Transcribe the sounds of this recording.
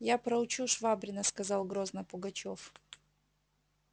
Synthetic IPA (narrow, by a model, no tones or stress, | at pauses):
japɾɐʊt͡ɕuʂvabɾʲɪnəskɐzɑlˠɡɾoznəpʊɡɐt͡ɕof